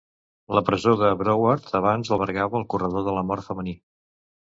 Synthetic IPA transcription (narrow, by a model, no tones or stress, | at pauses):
ləpɾəzoðəβɾɔwəɾt̪əβ̞anzəlˠβəɾɣaβəːlˠkurəðoðələmɔɾt̪fəməni